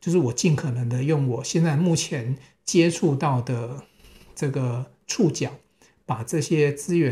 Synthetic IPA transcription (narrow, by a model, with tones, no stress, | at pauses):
t͡ɕjo˥˧ʊʂɻ̩˥˩wɔ˨˩t͡ɕi˥˩nkʰɤ˨˩nɤ˧˦ŋd̪ə˧jʊ˥˩ŋwɔ˨˩ɕjɛ˥˧nt͡sa˥˧ɪmu˥˩t͡ɕʰjɛ˧˥n | t͡ɕjɛ˥ʈ͡ʂʰu˥˧t̪ɑ˥˩ʊd̪ə˩ | ʈ͡ʂɤ˥˩ɡə˩ | ʈ͡ʂʰu˥˩t͡ɕjɑ˨˩˦ | pa˨˩ʈ͡ʂɤ˥˩ɕjɛ˥t͡sɹ̩˥ɥɛ˧˦